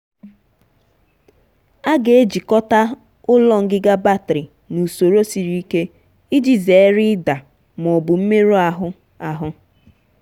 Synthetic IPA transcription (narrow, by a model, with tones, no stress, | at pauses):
a˦ɡe˨e˦d͡ʒi˨kɔ˦ta˦ | ʊ˦lɔ˦ŋ̩˦ɡɪ˦ɡa˦ba˦˨tɾi˨ | nu˨so˨ɾo˦si˨ɾi˦i˦ke˦ | i˦d͡ʒi˨ze˨e˦ɾɪ˦da˨ | mɔ˨bʊ˨m̩˦me˦ɾo˦a˨ɦʊ˦ | a˨ɦʊ˦